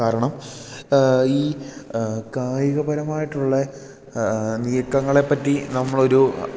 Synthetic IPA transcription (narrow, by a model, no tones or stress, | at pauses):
aːɾɐɳɐm | iː | kaːjɐɣɐbɐɾɐmaːjiʈːuɭːɐ | nijɐkːɐŋːɐɭe̞pːɐtːinɐmːɐɭo̞ɾu